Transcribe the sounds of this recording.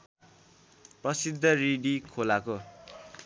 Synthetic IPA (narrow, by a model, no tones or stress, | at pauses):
prʌsid̪ʱːʌriɖikʰolako